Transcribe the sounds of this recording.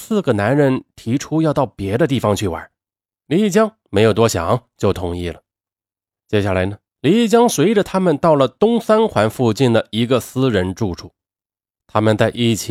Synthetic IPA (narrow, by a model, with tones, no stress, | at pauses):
sɹ̩˥˩ɡə˩na˧˥nɻə˧˥nt̪ʰi˧˥ʈ͡ʂʰu˥jɑ˥˧ʊt̪ɑ˥˩ʊpjɛ˧˥d̪ə˧t̪i˥˩fɑ˧ŋt͡ɕʰy˥˩wa̰˧˥ | li˧˥i˥˩t͡ɕjɑ˥ŋ | me˧˥ɪjo˨˩ʊt̪wɔ˥ɕjɑ̰˨˩˦ŋt͡ɕjo˥˩ʊt̪ʰʊ˧˥ŋi˥˩lə˩ | t͡ɕjɛ˥ɕja˥˩la˧˥ɪnə˩ | li˧˥i˥˩t͡ɕjɑ˥ŋswe˧˥ɪʈ͡ʂə˧t̪ʰa˥mə˨nt̪ɑ˥˩ʊlə˩t̪ʊ˥ŋsa˥nxwa˧˥nfu˥˧t͡ɕi˥˩nd̪ə˩i˧˥ɡə˧sɹ̩˥ɻə˧˥nʈ͡ʂu˥˧ʈ͡ʂʰu˥˩˦ | t̪ʰa˥mə˨nt͡sa˥˧ɪʔi˥˩t͡ɕʰi˧